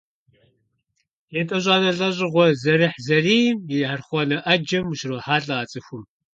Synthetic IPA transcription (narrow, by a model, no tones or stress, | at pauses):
jɛtʼɐʑʷʼaːnɐɮʼɐʑʼɪʁʷɔzɐɾɨħzɐriːmjɛħarχʷɔnɐʔɐd͡ʒɐmuʃroħaːɬʼɨɐt͡sʼɨxʷʊm